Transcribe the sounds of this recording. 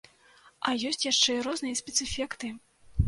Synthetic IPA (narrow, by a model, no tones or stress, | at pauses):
ʔɐjɔsʲt͡sʲjaʂt͡ʂɛiɾɔznɨjɐsʲpʲɛt̪sɨfʲɛkt̪ɨ